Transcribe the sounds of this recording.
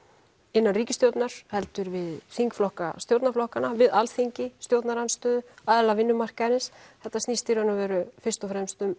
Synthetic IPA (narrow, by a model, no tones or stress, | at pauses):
ɪnːanriːcɪst̪jowt̪naɾ̥hɛlt̪ʏɾvɪðθiŋkflɔhka̰st̪jowt̪naflɔhkanavɪðalθiɲcɪst̪jowt̪naɾanst̪œːðʏaːðalavɪnːʏmar̥kaɾɪnsθɛht̪ːasniːst̪iɾanʏvɛːɾʏfɪr̥st̪ɔfɾɛmst̪ʏm